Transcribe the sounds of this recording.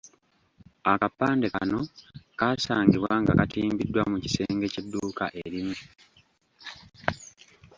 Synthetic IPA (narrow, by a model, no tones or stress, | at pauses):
akapːaːndeka̰no̞kaːsaːŋɡiβwaŋɡa̰katiːmbidːwamuci̥se̞ːŋɡe̞cidːuːkaʔe̞ɾimu